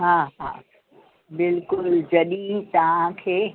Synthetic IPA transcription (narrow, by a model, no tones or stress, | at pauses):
ɦãːɦã̰ː | bɪlkʊld͡ʑɐɗĩt̪ɐʋ̤ãkʰeː